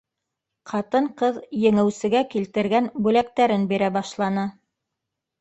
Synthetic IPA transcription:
qʰɑt̪ɤɴqɤðjɘ̆ŋɘ̆wsɘ̆ɡækilt̪ɘ̆ɾɡænbʉlæk̚t̪æɾɘnbiɾæbɑʃlˠɑnɤ

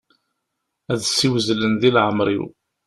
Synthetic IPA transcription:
æðsːiwzlənðilʕəmɾḭw

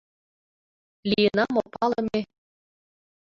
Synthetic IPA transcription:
lʲijənɑmopɑlɤ̆me

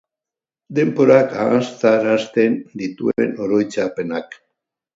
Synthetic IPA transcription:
d̪e̞mpo̞ɾakaɣast̪aɾast̪e̞nd̪it̪ueeno̞ɾo̞jt͡sape̞nak

